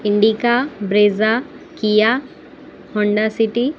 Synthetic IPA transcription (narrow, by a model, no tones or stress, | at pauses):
iɳɖikabɾeza | kija | hɔɳɖasiʈi